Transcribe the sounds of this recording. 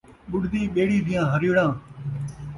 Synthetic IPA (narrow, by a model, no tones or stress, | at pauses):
ɓʊɽd̪iːɓeːɽiːd̪ʱijãːɦəɾiːɽãː